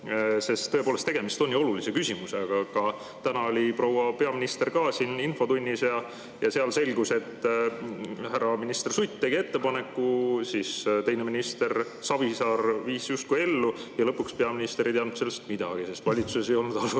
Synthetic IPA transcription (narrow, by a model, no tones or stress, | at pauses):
se̞st̪ːɤ̞e̞polest̪e̞ɡ̥e̞mist̪o̞nʲːjuo̞lulise̞kysʲimuse̞ɑɡ̥ɑkɑ | t̪ænɑo̞lʲipro̞wɑpe̞ɑminist̪e̞rkɑːsininfo̞t̪unʲːisjɑ | jɑseɑlse̞lʲɡuse̞t̪ː | hærɑminist̪e̞rsujt̪t̪ːe̞ɡ̥ie̞t̪ːe̞pɑne̞kːˑusist̪e̞jneminist̪e̞r | sɑb̥isɑːrviːsjust̪̚kuje̞lːujɑlɤpːˑukspe̞ɑminist̪eɾit̪eɑnut̪se̞lːest̪mid̪ɑ̰ɡ̥ise̞st̪vɑlʲit̪suse̞sejolnud̪̥ɑlu